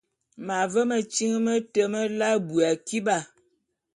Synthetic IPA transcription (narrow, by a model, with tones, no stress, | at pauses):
ma˨və˦mə˨t͡ʃi˦ŋ˦mə˦tə˦mə˦la˦bu˨a˨ki˦ɓa˦˨